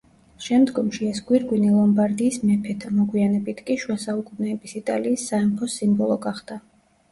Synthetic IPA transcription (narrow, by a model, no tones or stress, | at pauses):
ʃɛmd̪ɡɔmʃiɛsɡwiɾɡwinilˠɔmbaɾd̪iːsmɛpʰɛt̪ʰamɔɡwianɛbit̪ʰkʼiʃuasaukʼunɛːbisit̪ʼa̰liːsːaɛmpʰɔsimbɔlˠɔɡaχd̪a